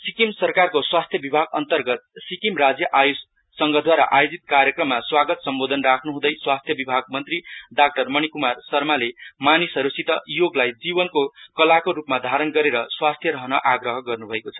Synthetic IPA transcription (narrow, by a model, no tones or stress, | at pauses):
sikimsʌrkarkoswast̪ʰjʌbibʱaɡʌ̰nt̪ʌrɡʌt̪̚sikimrad͡zjʌʔajus | sʌŋɡʌd̪waɾa̰ʔajod͡zit̪̚kaɾjekrʌmːaswaɡʌt̪sʌmbod̪ʱʌnrakʰnuɦũd̪ʌjswast̪ʰjʌbibʱaɡ̚mʌnt̪riɖak̚ʈʌrmʌñikumarsʌrmalemanisʌɾusit̪ʌjoɡlajd͡zibʌnkokʌlakoɾupmad̪ʱaɾʌnɡʌɾeɾʌswast̪ʰjʌɾʌɦʌnʌʔaɡrʌɦʌɡʌrnubʱʌekot͡sʰʌ̥